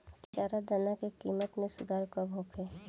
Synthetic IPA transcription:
t͡ʃaːɾad̪ɐnakekiːmət̪mẽsʊd̪aːɾkabʱoːkʰeː

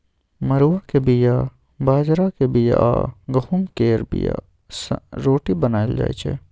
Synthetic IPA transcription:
mɐɾuwakebija | baːd͡ʒɾakebija̰ʔɡɐɦumkeːɾbḭja̰ | sɾoːʈibənaːeld͡ʒa̰ːjt͡ʃʰḛ

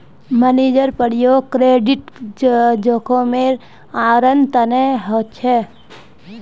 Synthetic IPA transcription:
məneːd͡ʒəɾpəɽijokɾeːɖɪʈ | d͡ʒoːkʰõmeɾ | aːɾənt̪əneɦot͡ʃʰɛ

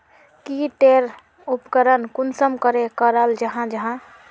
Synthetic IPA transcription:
kiʈeɾ | upkəɾənkunsəmkəɾekəɾəld͡ʒəɦãd͡ʒəɦã

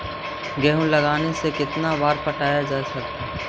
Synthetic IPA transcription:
ɡɛːɦũlɐɡaːnesekɪt̪nabaːɾpɐʈaːjad͡ʒaːsɐk̚t̪a

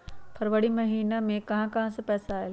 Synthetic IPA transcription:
pʰɐɾʋəɽimɐɦiːnəmẽkɐɦãkɐɦãsəpɛːsaaːel

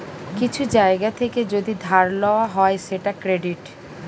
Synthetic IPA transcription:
kit͡ɕʰud͡ʑaeɡat̪ʰeked͡ʑod̪id̪ʱaɾlɔwaɦɔeʃeʈakɾeɖiʈ

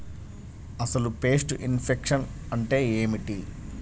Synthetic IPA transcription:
ɐsɐlupe̞ːsʈuʔinpʰekʂɐn | ɐɳʈe̞ːeːmiʈi

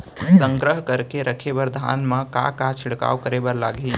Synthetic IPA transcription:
sə̃ŋɡɾəɦkəɾkeɾəkʰebəɾd̪ʱa̰ːnməka̰kat͡ʃʰɪɽka̰ːwkəɾebəɾlaɡi

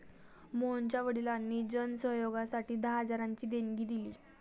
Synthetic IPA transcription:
mont͡ɕjaʋəɽilanːiːd͡ʑənəsəɦjoɡasaʈiːd̪aɦad͡zaɾaɲt͡ɕiːd̪eŋɡiːd̪ilḭː

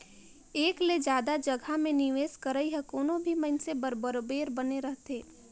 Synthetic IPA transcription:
eːkled͡ʒjaːd̪ad͡ʒɐɡʱamẽnɪʋeːskəɾəiɦɛkoːnõbʱimənsebəɾbəɾobeːɾbɐneɾəɦt̪eː

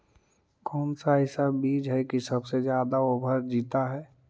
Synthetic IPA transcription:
kɔːnsaɦɪsabiːd͡ʒɦɛkisɐbsed͡ʒjaːd̪aobʱəɾd͡ʒiːt̪aɦɛː

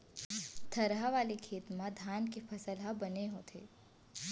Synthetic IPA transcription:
t̪ʰɐɾɦaʋaːlekʰeːt̪mãd̪ʱaːnkefʰɐsəlɦabɐneɦot̪ʰḛː

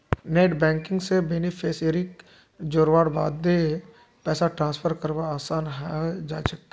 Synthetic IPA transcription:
neːʈbɛ̃ːŋkɪ̃ŋɡsebeːnɪfʰeːseːɾɪk | d͡ʒoːɾʋaːɽba̰ːd̪̚de | pɛːsaʈɾãːnspʰəɾkəɾʋaaːsaːnɦɛd͡ʒa̰ːʃɐk̚t̪a

